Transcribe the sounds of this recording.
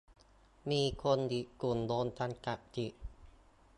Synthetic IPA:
miː˧kʰo˧ndi˨˩ʔku˨˩ndoː˧nt̪ʰa˧nka˨˩ʔt̪i˨˩ʔ

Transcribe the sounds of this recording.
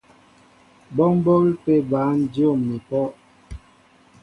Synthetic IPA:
bɔ˦m˦bɔ˦ɣi˦pe˦ba˨˦n˦djo˦˨mni˨pɔ˦

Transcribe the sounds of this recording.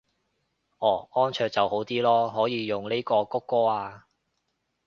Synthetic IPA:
ʔɔː˨˩ɔː˥nt͡ʃʰœː˧k̚t͡sɐ˨who˨˥wt̪iː˥lɔː˥ɦɔː˨˥jiː˨˧jʊ˨ŋnle˥jkɔː˧kʊ˥kːɔː˥aː˧

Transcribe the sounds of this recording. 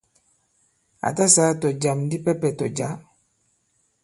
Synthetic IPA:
a̰˨ta˦sa˨˦to˨d͡ʒa˨mndi˦pɛ˦pɛ˨to˨d͡ʒa˦

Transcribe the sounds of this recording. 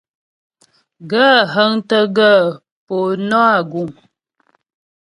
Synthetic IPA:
ɡə˦ɦə˦ŋtə˦ɡə˦˨ | po˨nɔ˦a˦˨ɡu˨ŋ

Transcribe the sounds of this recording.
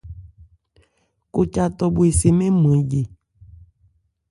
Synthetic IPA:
ko˦t͡ʃa˦t̪ɔ˦bo˨e˨se˨mẽ˦mẽ˨je˨

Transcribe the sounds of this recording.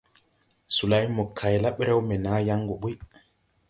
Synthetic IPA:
su˨la˨˦jmo˨kʰa˨jla˦ɓe˦ɾe˦wme˨na˨˦ja˦ŋɡo˨ɓu˦j

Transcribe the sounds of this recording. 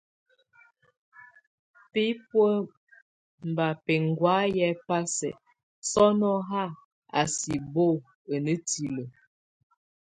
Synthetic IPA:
pi˦pwə˦ | m˨ba˨pɛ˨ŋ˨ɡwa˨˦jɛ˦pa˦sɛ̰˨ | sɔ˦nɔ˦ɦa˦˨ | a̰˨si˨bo˦˨ | ə˨nə˦ti˨lə˨

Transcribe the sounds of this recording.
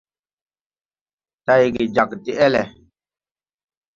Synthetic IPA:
ta˦jɡi˨d͡ʒa˨kti˨ʔɛ˦lɛ˨

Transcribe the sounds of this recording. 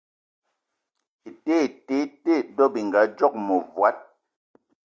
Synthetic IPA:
i˨te˦˨te˨˦te˦˨dɔ˦bi˨ŋ˨ɡa˨˦d͡ʒɔ˦k̚mɔ˨vwa˨˦t̚

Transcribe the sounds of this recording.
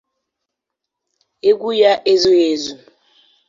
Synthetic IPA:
e˦k̬u˦ja˦ʔe˦zi˦eː˦˨zu˨

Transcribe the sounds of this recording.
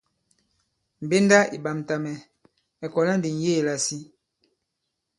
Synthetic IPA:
m̩˨be˦nda˦ḭ˨ba˨m˨ta˨mɛ˨ | ɛ˨kɔ˨la˦n˦di˨n̩˨je˦˨la˨si˦

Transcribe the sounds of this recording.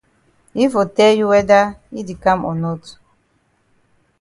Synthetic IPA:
i˦fo˨tɛ˦lju˦wɛ˦da˦i˦di˨kã˦mɔ̰˨nɔ˦t

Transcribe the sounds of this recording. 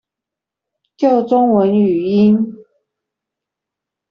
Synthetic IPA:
t͡ɕjo˥˨ʊt͡sʊ˥ŋwə˨˧˦ny˨˩i˦˥n

